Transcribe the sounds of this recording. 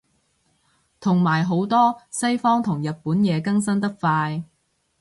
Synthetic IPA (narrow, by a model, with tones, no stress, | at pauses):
t̪ʰʊ˨˩ŋmaː˨˩jɦo˨˥wt̪ɔː˥sɐ˥jfɔː˥ŋt̪ʰʊ˨˩ŋjɐ˨t̚puː˨˥njɛː˨˧kɐ˥ŋsɐ˥nt̪ɐ˥k̚faː˧j